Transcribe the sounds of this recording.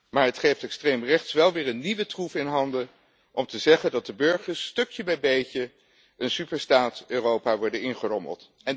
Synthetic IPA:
maːɹɦətχejftɛkstrejmrɛχtsʋɛlˠʋɪːɹənːiʋətrufɪnɦɑndə | ʔɔmtəzɛχəndɑt̚dəbɵɹχəɹsːtɵkjəbɛjbejcə | ʔənsypəɹstaːtøːrowpaːʋɔɹdənɪnχərɔmə̰lˠt | ɛn

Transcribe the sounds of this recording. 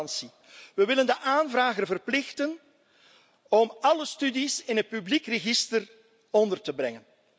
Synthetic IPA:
nsi | ʋəʋɪləndəʔaːnvraːɣərvərplɪxtən | ɔmɑləstydisɪnɦət̚pyblikrəɣɪstər | ɔndərtəbrɛŋən

